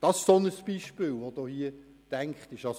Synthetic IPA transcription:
d̥ɑsɪʃsonəsb̥iʃpɪːlʋod̥̪oːhiə | d̥æŋkχt̪ɪʃɑs

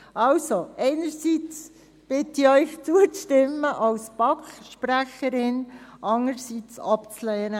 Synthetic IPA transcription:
ʔɑlsoʔɛɪnəɾsit͡s | b̥ɪtiœʏxt͡suət͡sʃtɪmːəʔɑlspɑkχʃpræχəɾɪnʔɑŋəɾsit͡sɑpt͡slɛːɾə

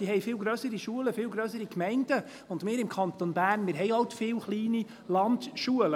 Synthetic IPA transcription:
iːhɛjfɪːlɡɾœːsəɾiʃuələfɪːlɡɾøːsəɾikmɛɪnd̥ə | ʊndmɪːɾɪmkʰɑnt̪onbæːrnmɪːɾɦɛjɑwt̪fɪːlχliːni | lɑndʃuələ

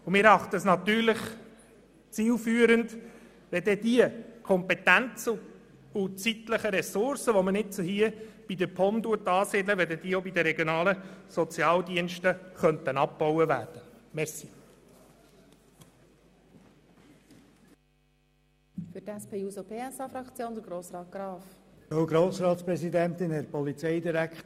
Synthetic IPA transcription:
ʊmɪːɾɑχt̪əsnɑt̪yːɾlɪχ | t͡siːlfyːəɾənd | ʋɛd̪ɛdiəkʰɔmpɛt̪ænt͡sə | ʊt͡sit̪ləχəɾɛsʊɾsəʋomənɪt̚t͡suhiəb̥id̪əpʰɔmd̪uətɑːsɪdləʋɛdɛd̥iəobid̪əɾɛɡjonɑːləsɔt͡sjɑːldiənʃtəχœnt̪ənɑb̚bɔwəʋæːɾd̥əmɛɾsi | fʏtæspʰeːuːsopʰeːɛsɑfɾɑkt͡sjoːnd̪əɡɾoːsrɑːt̪̚ɡ̥ɾɑːfowɡɾoːsɾɑːt̪spɾɛsid̪ɛnt̪ɪnɛɾpɔlit͡sɛɪd̪iɾæk

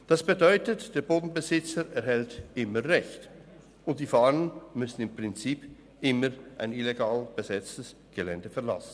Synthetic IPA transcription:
d̥asb̥edɔʏtətd̥eːɐboːdn̩bəzɪt͡səɾɛɐhɛltʔɪməʁɛçt | ʊnt̚d̥iːfaːʁənmʏsn̩ɪmpʁ̥ɪnt͡siːp | ʔɪməʁʔaɪnileɡaːlb̥əzɛt͡stəs | ɡ̥elɛndəfɛɐla̰sn̩

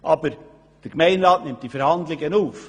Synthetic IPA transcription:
ʔɑːbəɾ | d̥əɾɡmɛɪnɾɑːtnɪmtd̥ifɛɾhɑndlɪɡənuːf

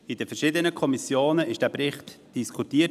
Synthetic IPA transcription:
id̥əfɛrʃɪdənəkʰɔmisjoːnəɪʃd̥æːpɾɪχt | d̥iskʰutiːə

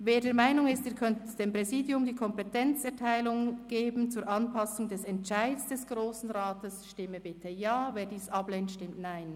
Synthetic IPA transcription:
veːdeːɐmaɪnʊŋɪstiːɾkʰœntətd̥eːmpʁ̥ɛziːdjʊmdiːkʰɔmpɛtʰɛnt͡sɛɐtʰaɪlʊŋɡ̥eːbn̩t͡suːɾʔɑnpʰɑsʊŋdɛsɛntt͡ʃaɪtsd̥ɛsɡ̥ʁoːsn̩ʁaːtəsʃtɪməbɪtʰəjaːveːɐdiːsɑblɛntʃtɪmtnaɪn

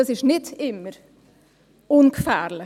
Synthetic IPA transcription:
ɑsɪʃnɪdɪmːəɾ | ʊnkfæ̰ːɾlɪ

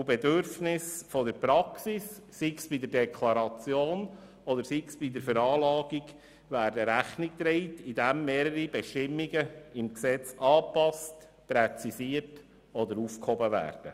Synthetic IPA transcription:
ubɛdøɾfnɪsfɔdəɾpɾɑksisː | iksb̥id̪əɾdɛkʰlɑɾɑt͡sjoːn | ɔdəɾsiksb̥idəɾfəɾɑːlɑːɡiɡ | ʋæːɾdəɾæχnik̚t̪ɾɛɪtidæmːeːɾəɾibɛʃtɪmːiɡəɪmksɛt͡sɑːpɑst | pɾɛt͡sisiərt | ɔd̪əɾuːfkhɔbəʋæ̰ːɾd̥ə

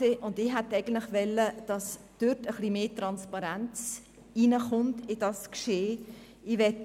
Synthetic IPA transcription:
eːʔʊndɪɦɛt̪ɛɪɡən̩tlɪχʋɛlːəd̥ɑs | d̥øtəχlimeːtɾɑnspɑɾænt͡s | inəχʊntɪd̥ɑskʃeː | iʋɛt

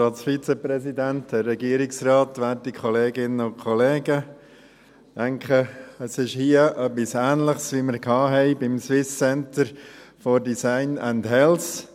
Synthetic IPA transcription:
ɑlsfit͡sɛpɾɛsidæntd̥ərːɛɡiəɾɪksrɑːtʋæːtikχɔleːɡɪnəʊnkʰχɔleːɡə | dæŋkχəəsɪʃhiəʔœpːisæːnləχsʋiməɾkʰɑːɦɛɪbɪmswɪst͡sɛntəɾfoɾdisaɪnændɦɛls

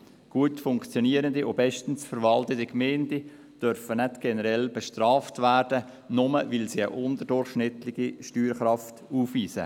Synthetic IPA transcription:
ɡ̥uətfʊŋkt͡sjɔniːəɾəndiʔobɛʃtən̩sfəɾʋɑltətikmeːndi | d̥œɾfənɛtɡ̥ɛnəɾɛlbəʃtrɑːftvæːrd̥ə | nʊməvɪlsiə̰ʔʊndədʊrχʃnɪt̪lɪɡ̥iʃtyːɾχɾɑftuːfviːsə̰

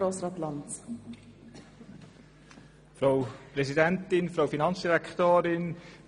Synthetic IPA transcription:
ɾɔsɾatlɑnt | frowprezidɛntɪnfrowfinɑnsdiɾɛktøːɾɪn

